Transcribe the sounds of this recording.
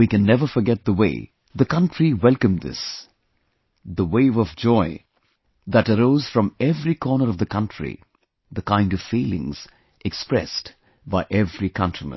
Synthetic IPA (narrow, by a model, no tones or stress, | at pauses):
wikɨ̃nːɛvə˞fə˞ɡɛt̪̚ðəwḛɪ | ðɨkʌ̃ntɹ̥iwɛlˠkɨ̃mðɪ̰s | ðəweɪvʌvd͡ʒɔɪ | ðɨɾəɾoʊz̥fɹʌ̃mɛvɹikʰɔnə˞ʌvðɨkʰʌ̃ntɹ̥ḭ | ðəkãɪ̃ndʌv̥filˠɪ̰̃ŋz̥ | ʔɨkspɹɛ̰st | baɪʔɛvɹikʰʌ̃ntɹ̥imə̰̃n